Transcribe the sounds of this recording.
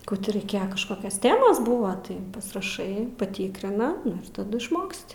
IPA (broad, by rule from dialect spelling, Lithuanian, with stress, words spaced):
ˈkuː tʲɪ rɐɪˈkʲeːjɛ kɐʃˈkoːkʲɛs ˈtʲæːmɐs ˈbʊʋɐ ˈtɐɪ pɐsʲɪrɐˈʃɐɪ pɐˈtʲiːkrʲɪnɐ ˈnʊ ɪr tɐˈdʊ ɪʃˈmoːksʲtʲɪ